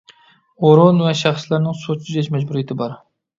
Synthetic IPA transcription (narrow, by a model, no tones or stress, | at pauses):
oɾʊnvɛʃæχslæɾnɪŋsot͡ʃʰɪɛt͡ʃmɛd͡ʒbuɾijet̪ʰɪbɑɾ